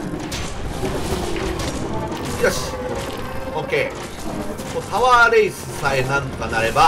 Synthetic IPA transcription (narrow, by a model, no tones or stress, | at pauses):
jas | okeː | mot̪aβaːɾeisɨsaenãnt̪onaɾe̞ba